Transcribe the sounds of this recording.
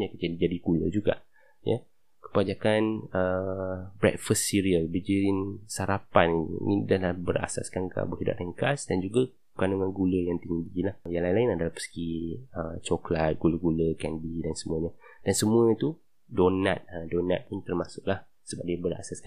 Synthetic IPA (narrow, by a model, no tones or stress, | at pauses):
ɲakəd͡ʒadid͡ʒadikulə̰d͡ʒuɡa̰ʔ | jə̰ | kə̥pad͡ʒakanə | bɾɛ̰t̚fəsːiɾiəlbəd͡ʒiinsaɾapaniḭnidəlahbəɾa̰sa̰skaŋka̰ʔbəɦida̰ʔ̚ləŋkasdand͡ʒuɡa | pəkanuŋanɡuləjaŋt̪iɲdilahjaŋlaĩlaɪnadalahpə̥sə̥kiət͡ʃɔklat̪̚ɡ̥uləɡuləkɛnbidansəmuəɲad̥ansəmũət̪u | donat̪̚ədona̰t̪̚pʊnt̪ərmasʊʔlah | səbap̚diəbəɾa̰saska